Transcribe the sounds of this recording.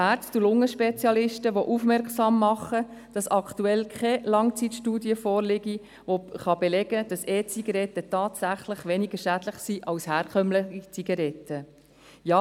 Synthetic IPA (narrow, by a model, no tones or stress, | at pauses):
æɾtt̪ulʊŋəʃpɛt͡sjɑlɪʃtəʋoʔufmɛɾksɑmːɑχəd̥ɑsɑktuɛlkʰɛlɑŋt͡sitʃtuːdiəfɔːɾlɪɡi | ʋoχɑbɛlɛɡ̥əd̥ɑsɛːt͡siɡɑɾɛtːətɑːtsæχlɪχʋɛniɡəʃæd̥ləχsiʔɑlshæːɾkʰœmləχit͡siɡɑɾɛtːə | jɑː